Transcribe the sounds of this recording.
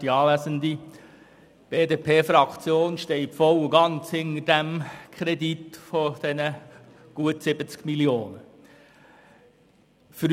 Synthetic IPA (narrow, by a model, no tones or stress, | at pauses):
d̥iɑːlæzəndi | b̥eːdeːpʰeːfɾɑkt͡sjoːnʃtɛɪtfɔwuɡɑnt͡shɪnəd̥æmkʰɾɛd̪it̪fod̥ɛnə | ɡ̥uətsɪbət͡skmiljoːnə | fɾ